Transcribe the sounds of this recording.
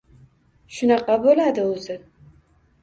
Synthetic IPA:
ʃʊnɑqɑbolad̪ɪɵzɪ

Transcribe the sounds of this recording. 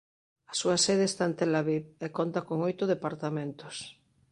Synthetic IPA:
asuaseð̞eːst̪aent̪elaβiβekont̪akoŋojt̪ʊðepaɾt̪amẽnt̪os

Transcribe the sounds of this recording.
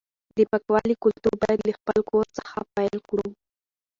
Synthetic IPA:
d̪əpakwɑlikʊlt̪uɾbɑjad̪laxpəlkoɾt͡sə̥xapajlkɽu

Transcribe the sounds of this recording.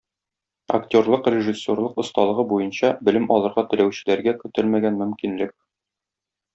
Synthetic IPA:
ɐ̰ktʲo̞rlˠɤqrʲɪʐisʲːorlˠɤqŏst̪ɑlˠɤ̆ʁɤbujɤnɕɑbɘ̆lɘmɒlˠɤ̆ɾʁɑt̪ɵ̆læwɕɘ̆læɾɡækɵ̆t̪ɘlmæɡænmɵ̆mkinlɘk̚

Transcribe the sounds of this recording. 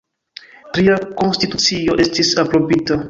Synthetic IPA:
tɾiako̞nstitut͡sioʔe̞stisapɾo̞bita

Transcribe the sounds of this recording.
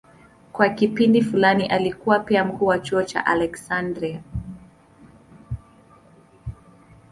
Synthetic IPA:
kwakipindifulaniʔalikuwapiam̩kuːwat͡ʃuɔt͡ʃa̰ʔalɛksandɾia

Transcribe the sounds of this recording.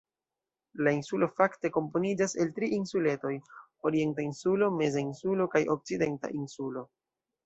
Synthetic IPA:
lainsulo̞fakte̞ko̞mpo̞nid͡ʒase̞ltɾiʔinsule̞to̞j | o̞ɾie̞ntainsulo̞me̞zainsulo̞kajʔo̞k̚t͡side̞nta̰ʔinsulo̞

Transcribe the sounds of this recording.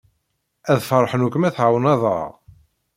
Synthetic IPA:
æðfəɾˤħənukːəmæθʕawnɑðˤɑ̰ʁ

